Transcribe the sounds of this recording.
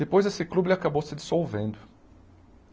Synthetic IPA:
d̪epojzesɪklublɪakabowsɪd͡ʒ̪i̥sowvẽnd̪ʊ

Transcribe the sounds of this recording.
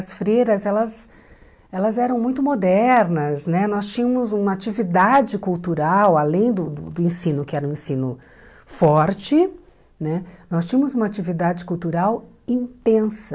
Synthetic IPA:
ɐsfɾejɾɐzɛlɐz | ɛlɐzɛɾɐ̃w̃mũj̃t̪ʊmod̪ɛɾnɐznɛnɔst͡ʃĩɲɐmʊzũmɐat͡ʃivid̪ad͡ʒɪkuwt̪uɾawalẽj̃d̪ʊd̪ʊ̰d̪ʊẽsĩnʊkɪɛɾɐũẽsĩnʊ | fɔɾt͡ʃɪ | nɛnɔst͡ʃĩɐ̃mʊzũmɐat͡ʃivid̪ad͡ʒɪkuwt̪uɾaw | ĩnt̪ẽsɐ

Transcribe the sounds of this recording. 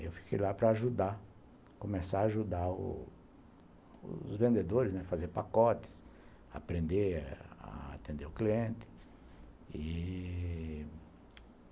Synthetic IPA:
ḛwfi̥kʰejlapɾɐːʒud̪a | kõmesaːʒud̪aʊ̰ | ʊzvẽnd̪ed̪oɾɪznɛfazeɾpakɔt̪ɪ̥s | a̰pɾẽnd̪ea̰a̰t̪ẽnd̪eʊkliẽnt̪ɪ̥ | i

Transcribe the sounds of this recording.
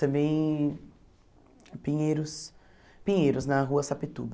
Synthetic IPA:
t̪ɐ̃mbẽj̃ | pĩɲeɾʊs | pĩɲejɾʊznɐɦuɐsapit̪ub

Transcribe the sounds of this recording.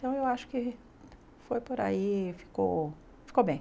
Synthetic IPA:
t̪ɐ̃w̃ewaʃʊ̥kɪ | fojpoɾa̰ifi̥ko̰w | fi̥kowbẽj̃

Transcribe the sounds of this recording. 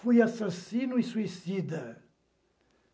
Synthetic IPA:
fujasasinuisuisid̪ɐ

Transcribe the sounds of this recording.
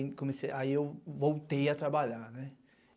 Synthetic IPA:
kõmeseʔaiewvowt̪ejat̪ɾabaʎaɾnɛ

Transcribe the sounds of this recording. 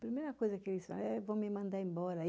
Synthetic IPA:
pɾmɛnakɔjzakedisna̰ɛvɔmimãnd̪aimbɔːɾa

